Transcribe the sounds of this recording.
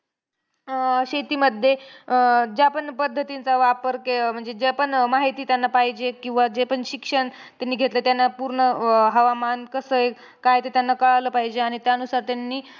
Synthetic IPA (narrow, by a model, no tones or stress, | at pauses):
ɕet̪iːməd̪ʱːje | d͡ʑapəɳpəd̪ʱːət̪int͡saʋapəɾkem̤əɳd͡zed͡ʑepəɳmaɦit̪iːt̪janːapaɦid͡ʑekĩw̃ʋad͡ʑepəɳɕikʂəɳ | t̪janːiːɡʱet̪lət̪janːapuɾɳəɦəʋamankəsəe | kajt̪et̪janːakəɭaləːpaɦid͡ʑeaɽ̃it̪jaənusaɾt̪janːiː